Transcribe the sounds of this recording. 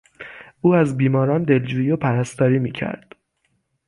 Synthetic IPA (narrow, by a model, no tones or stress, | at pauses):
uːæzbiːmɒːɾɒːnd̪e̞ld͡ʒuːjiopʰæɾæst̪ɒːɾiːmiːcʰæ̰ɾd̪̥